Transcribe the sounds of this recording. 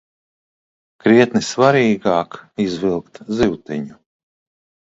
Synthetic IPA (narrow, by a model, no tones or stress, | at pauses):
kɾiɛt̪nisvaɾiːɡaːkizvilˠkt̪ziwt̪iɲu